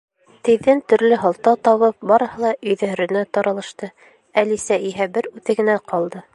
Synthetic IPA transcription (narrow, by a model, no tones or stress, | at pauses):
t̪ɘ̆ðːɘnt̪ɵ̆ɾlɘɦɑ̆lˠt̪ɑt̪ɑβɤp̚bɑɾɤ̆hɤlˠɑʔɵ̆jðæɾɵ̆næt̪ɑɾɑlˠɤ̆ʃt̪ɤ | ælisæʔiɦæbɘɾʉθɘ̆ɡɘ̆næqʰɑlˠd̪ɤ